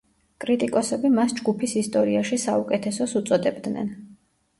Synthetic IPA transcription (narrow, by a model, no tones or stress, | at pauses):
kʼɾit̪ʼikʼɔsɛbimasd͡ʒɡupʰisist̪ʼɔɾiaʃisaukʼɛt̪ʰɛsɔsut̪sʼɔd̪ɛbd̪nɛ̰n